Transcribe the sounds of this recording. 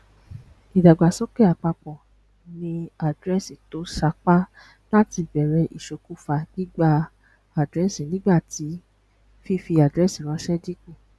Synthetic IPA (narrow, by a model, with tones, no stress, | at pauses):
i˨da˨ɡ͡ba˨sɔ˦kɛ˦˨a˨k͡pa˧k͡pɔ̃˨ | nĩ˧a˨dɾɛ˦si˨to˨˦ʃa˧k͡pa˦ | la˦ti˧bɛ˨ɾɛ˧ʔi˨ʃo˨˧ku˦fa˧ɡ̥i˦ɡ͡ba˦˧ | a˨dɾɛ˦sĩ˨nĩ˦ɡ͡ba˦˨ti˨˦ | fi˦fi˧a˨dɾɛ˦sĩ˨ɾ̃ɔ̃˨˦ʃɛ˦di˦ku˦˨